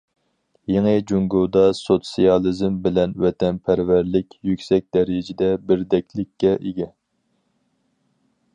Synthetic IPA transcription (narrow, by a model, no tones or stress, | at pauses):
jeŋɨd͡ʒuŋɡod̪ɑsot̪sijɑlˠɨzmbɪlɛnwɛt̪ʰɛnpʰæɾvæɾlɪkʲjykʲsɛk̚ʲd̪ɛɾd͡ʒɪd̪ɛbɪɾd̪ɛkʲʰlɪkʲʰːɛʔiɡʲɛ